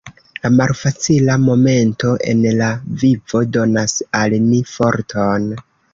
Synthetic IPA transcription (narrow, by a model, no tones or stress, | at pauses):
lamalfat͡silamo̞me̞nto̞ʔe̞̰nlavivo̞do̞nasalnifo̞ɾtʰon